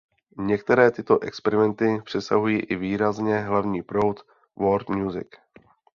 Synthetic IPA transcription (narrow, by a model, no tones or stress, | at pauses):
ɲɛkt̪ɛɾɛːt̪ɪt̪o̞ʔɛkspɛɾɪmɛnt̪ɪpr̥ɛsa̰ɦujiːʔɪviːɾazɲɛɦlavɲiːpɾo̞wt̪ | voɾt̪mɲuzɪ̰k